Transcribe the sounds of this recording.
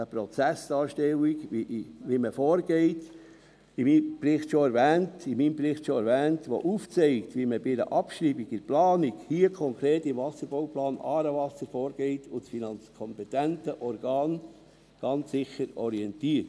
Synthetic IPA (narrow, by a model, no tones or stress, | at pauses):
əpɾɔt͡sæsd̥ɑːʃtɛwikiʔʋiməfoːɾɡɛɪt | imiːprɪχtʃoɛɾvɛːntimiːmbɾɪχtʃoɛɾvɛːntʋo̰ʔuft͡sɛɪktʋiməbɪdə̰ʔɑpʃriːbiɡɪplɑːnikhiəkʰɔŋkɾeːtɪmvɑsəɾboʊplɑːnʔɑːɾəvɑsəɾfɔːɾɡ̥ɛɪtʊsfinɑnt͡skʰɔmpɛtɛntəʔɔɾɡ̥ɑːn | ɡ̥ɑnt͡ssɪxəɾɔɾiɛntiːəɾt